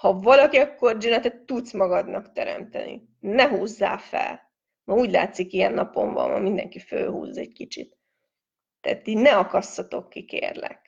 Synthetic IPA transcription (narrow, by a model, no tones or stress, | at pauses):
hɒvɒlɒkiɒkːo̞rd͡ʒønɛt̪ɛt̪ːut̪smɒɡɒd̪nɒkt̪ɛɾɛ̰mt̪ɛ̰nḭ | nɛɦuːzːaːfɛ̰l | mɒuːɟla̰ːt̪sikiɛnːɒpo̞ɱvɒ̰mmɒ̰mind̪ɛŋkifø̰ːɦṵːzːɛɟkit͡ʃit̪ː | aːt̪ːinɛɒkɒsːɒt̪o̞kːikḛːrlɛ̰k